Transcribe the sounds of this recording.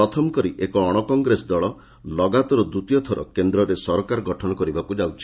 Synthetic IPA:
ɔt̪ʰɔmɔkɔɾiʔekɔːɽ̃ɔkɔŋɡɾesɔd̪ɔɭɔ | lɔɡat̪ɔɾɔd̪ut̪ijɔt̪ʰɔɾɔ̰kend̪ɾɔɾesɔɾkaɾɔɡɔʈʰɔɽ̃ɔkɔɾibakud͡ʒawt͡ʃʰi̥

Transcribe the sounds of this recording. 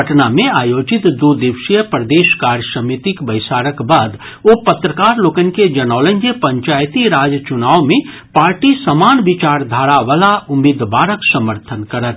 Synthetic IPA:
əʈnamẽaːjoːd͡ʒɪt̪d̪oːd̪ɪʋʃijəpɾəd̪eːʃkaːɾjəsəmit̪ikbəɪsaːɾəkbaːd̪ | opɐt̪ɾəkaːɾloːkənked͡ʒɐnaːlənkepə̃ɲt͡ʃaːjt̪iɾaːd͡ʒət͡ʃʊnaːwmẽ | paːɾʈisəmaːnbɪt͡ʃaːɾd̪ʱaːɾaʋaːlaʊmid̪baːɾəksɐməɾt̪ʰənkəɾət̪̚ʰ

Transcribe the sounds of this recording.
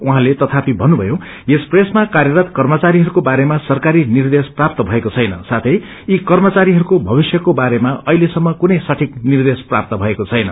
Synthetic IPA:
uɦãlet̪ʌt̪ʰapibʱʌnːubʱʌjo | espresmakarjʌɾʌt̪kʌrmʌt͡saɾiɦʌɾukobaɾemasʌrkaɾinird̪esprapt̪ʌbʱʌekot͡sʰʌjnʌ̰sat̪ʰʌj | ikʌrmʌt͡saɾiɦʌɾukobʱʌbisjʌkobaɾemaʌilesʌmːʌkunʌjsʌʈʰiknird̪espra̰p̚t̪ʌbʱʌekot͡sʰʌjnʌ̰

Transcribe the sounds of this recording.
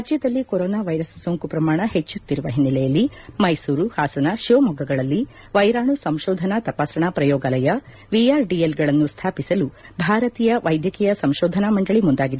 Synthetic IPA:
ɾad͡ʒjɐd̪ɐlːikoɾɔːnaːʋɐjɾɐssoŋkupɾɐmaːɳɐhet͡ʃːut̪ːiɾuʋɐɦinːilɛjɐlːi | mɐjsuːɾuhaːsɐnɐʃoːmɔɡʱɐɡɐɭɐlːi | ʋɐjɾaːɳusɐmʃɔːd̪ʱɐnɐt̪ɐpaːsɐɳɐpɾɐjɔːɡalɐjɐ | ʋijaːɾɖijelɡɐɭɐnːust̪ʰaːpisɐlubʱaːɾɐt̪iːjɐʋɐjd̪ʱjɐkiːjɐsɐmʃɔːd̪ʱɐnɐmɐɳɖɐɭimund̪aːɡid̪e

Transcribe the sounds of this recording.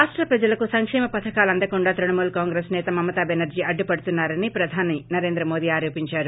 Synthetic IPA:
aːʂʈɾɐpɾɐd͡ʒɐlɐkusɐŋkʂɛːmɐpɐt̪ʰɐkaːlɐnd̪ɐkuɳɖaːt̪ɾɐɳɐmuːlkaːŋɡɾeːsnɛːt̪ɐmɐmːɐt̪ɐbenɐɾd͡ʒiɐɖːupɐɽut̪unːaːɾɐnipɾɐd̪ʱaːninɐɾe̞ːnd̪ɾɐmo̞ːd̪iːaːɾoːpiɲt͡ʃaːɾu

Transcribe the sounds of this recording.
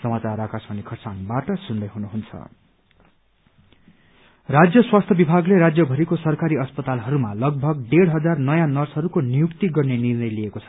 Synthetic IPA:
sʌmat͡saɾakasmʌnikʰʌrsanbaʈʌsund̪ʌjɦunuɦunt͡sʰʌ̰ | rad͡zjʌswast̪ʰʌbibʱaɡleɾad͡zjʌbʱʌɾikosʌrkaɾiʌspʌt̪alɦʌɾumalʌɡ̚bʱʌɡ̚ɖeɽɦʌd͡zarnʌjanʌrsɦʌɾukonijukt̪iɡʌrnenirnʌjliekot͡sʰʌ̥

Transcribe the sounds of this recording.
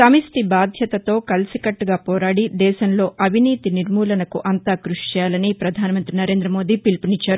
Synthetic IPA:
sɐmist̪ibaːd̪ʱjɐt̪ɐt̪o̞ːkɐlsikɐʈːuɡaːpɔːɾaːɽid̪ɛːʃɐmlo̞ːʔɐbʱiniːt̪iniɾmuːlɐnɐkuʔɐnt̪aːkɾuʂi̥t͡ʃɛːjaːlɐnipɾɐd̪ʱaːnɐmɐnt̪ɾinɐɾe̞ːnd̪ɾɐmo̞ːd̪iːpilpɐnit͡ʃːaːɾu

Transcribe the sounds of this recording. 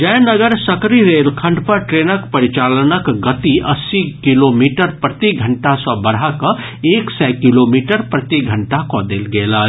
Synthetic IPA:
d͡ʒɛ̃nəɡəɾsəkɾiɾelkʰə̃ɳɖpəɾʈɾenəkpəɾit͡ʃalənəkɡət̪iʔəsːikilomiʈəɾpɾət̪iɡʱəɳʈasə̃bəɽɦakə̃ | eːksɛkilomiʈəɾpɾət̪iɡʱəɳʈakɔd̪elɡelə

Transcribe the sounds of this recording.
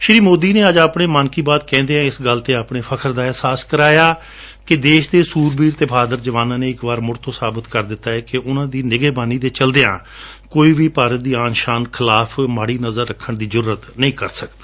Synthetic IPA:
ʃɾiːmoːd̪iːnẽːəd͡ʒaːpɳeːmankiːbaːt̪̚kɛ̃ːnd̪eːãːɪsɡəlt̪eːaːpɳeːpʰəkʰəɾd̪aːɛːsaːskəɾaːjaː | kɪd̪eːʃd̪eːsuːɾbiːɾt̪eːbʰaːd̪əɾd͡ʒəʋaːnãːneːɪkʋaːɾmʊɾt̪ʰõːsaːbət̪kəɾd̪ɪt̪ːaːɛːkɪʔʊnãːd̪iːnɪɡeːbaːniːd̪eːt͡ʃəld̪eːã̰ː | koːiːʋiːpaːɾət̪̚d̪iːaːnʃaːnkʰɪlaːpʰmaːɽiːnəzəɾːəkʰːəɳd̪iːzʊɾuːɾət̪nəĩːkəɾsəkd̪ḁː

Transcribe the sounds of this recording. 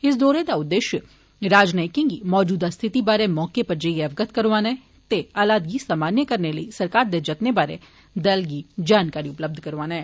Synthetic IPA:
ɪs̬d̪ɔːɾed̪aʊd̪ːeːʃjə | ɾaːd͡ʒnəɪkɪ̃ŋɡimɔːd͡ʒuːd̪ast̪ʰɪt̪ibaːɾemɔːkepɐɾd͡ʒəieɐʋɡət̪̚ʰkɐɾʋaːnaɦɛ | t̪eaːlaːd̪ɡisaːmaːnjəkɐɾneləisɐɾkaːɾd̪ed͡ʒɐt̪nebaːɾḛ | d̪ɐlɡid͡ʒaːnkaːɾiʊpləb̚d̪ʱkɐɾʋaːnaɦɛː

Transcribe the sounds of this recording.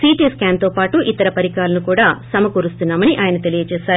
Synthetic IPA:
siːʈiːskaːnt̪o̞ːpaːʈuʔit̪ɐɾɐpɐɾikaːlɐnukuːɽaːsɐmɐkuːɾust̪unːaːmɐniʔaːjɐnɐt̪e̞lijɐt͡ʃɛːsaːɾu

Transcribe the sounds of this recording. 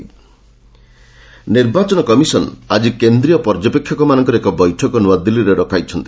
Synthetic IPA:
niɾbat͡ʃɔnɔkɔmisɔnad͡ʒikend̪ɾijɔpɔɾd͡ʒɔpekʰːjɔkɔmanɔŋkɔɾekɔbɔjʈʰɔkɔnuad̪iliɾeɾɔkajt͡ʃʰɔnt̪i̥

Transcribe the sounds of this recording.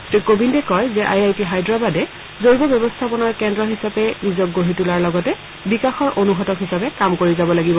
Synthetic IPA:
tikobindɛkɔjzɛʔajajtiɦajdɹabadɛ | zoɹibɔbjɛbɔstʰapɔnaɹkɛndɹɔɦisapɛnizɔk̚ɡoɦitulaɹlɔɡɔtɛ | bikaxɔɹʔonuɦɔtɔkɦisapɛkamkoɹizabɔlaɡibɔ

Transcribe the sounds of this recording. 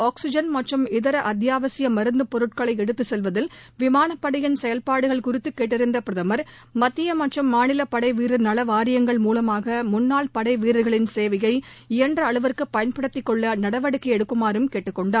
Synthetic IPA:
aːksɪd͡ʒɐnmɐʈrɯmɪðɐɾɐʔɐd̪jaːʋɐsɪjɐmɐɾɯnd̪ɯpɔɾɯʈ̚kɐɭɐɪɛɽɯt̪ːɯsɛlʋɐðɪlʋɪmaːnɐpːɐɽɐjɪnsɛjɐlpaːɽɯɣɐɭkʊɾɪt̪ːɯkːeːʈːɪɾɯnd̪ɐpɪɾɐðɐmɐɾ | mɐt̪ːɪjɐmɐʈrɯmːaːnɪlɐpɐɽɐɪʋiːɾɯnɐlɐʋaːɾɪjɐŋɡɐɭmuːlɐmaːɣɐmʊnːaːɭpɐɽɐɪʋiːɾɯɣɐɭɪnseːʋɪjɐɪɪjɐndrɐːɭɯʋɐɾkɯpːɐjɐnpɐɽɯt̪ːɪkːɔɭːɐnɐɽɐʋɐɽɯkːɪɛɽɯkːɯmaːɾɯmkeːʈːɯkːɔɳɖaːɾ

